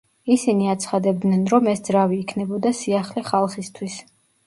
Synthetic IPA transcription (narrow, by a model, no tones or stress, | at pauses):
isiniat̪sʰχad̪ɛb̚d̪nɛnɾɔmɛsd̪zɾaviːkʰnɛbɔd̪asiaχliχalˠχist̪ʰwis